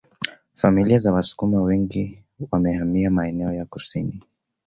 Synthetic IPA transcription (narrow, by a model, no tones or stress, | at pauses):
familiazawasu̥kumawɛŋɡi | wamɛhamiamaɛnɛɔjakusini